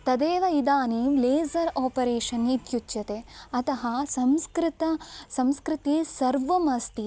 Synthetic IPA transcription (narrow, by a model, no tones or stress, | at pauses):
t̪ɐd̪eːʋɐid̪aːnileːzɐɾaːpɐɾeːʂɐnit̪jut͡ʃjɐt̪eɐt̪ɐɦɐsɐmskɾɪt̪ɐsɐmskɾit̪iːsɐɾʋɐmɐst̪i